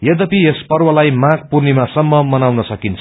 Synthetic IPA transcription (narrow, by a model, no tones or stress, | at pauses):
jʌd̪ʌpiespʌrwʌlajmãɡ̚purnimasʌmːʌmʌnawnʌsʌkint͡sʰʌ̥